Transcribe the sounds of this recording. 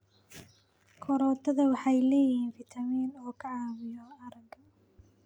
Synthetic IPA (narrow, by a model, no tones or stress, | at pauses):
kʰɔɾɔːt̪ʰɐðɐwɑħɑjlɛːjɪhiːnfɪt̪ʰɐmiːnɔːkʰɐʕɑːmɪjɔɐɾɐɡɐ